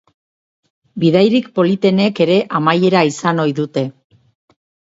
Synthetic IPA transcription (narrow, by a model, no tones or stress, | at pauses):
biðajɾikpo̞lit̪e̞ne̞ke̞ɾe̞ʔamaje̞ɾaisano̞jðut̪e̞